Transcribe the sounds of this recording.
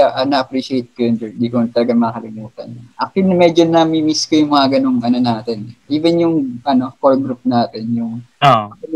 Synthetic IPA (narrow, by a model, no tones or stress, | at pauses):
aʔɐnɐʔɐpɾiʃɪejt̪̚kɐjond͡ʒond̪iːkot̪ɐlɐɡamɐkɐlɪnuːt̪ɐ̰nʔɐk̚ɪnmɛːd͡ʒonɐmimiskojʊŋmɐŋɐɡɐno̞ŋɐnonaːt̪ɛnʔiːvɛnjʊŋʔɐno̞kolɡɾup̚naːt̪ɛnjʊŋoɐl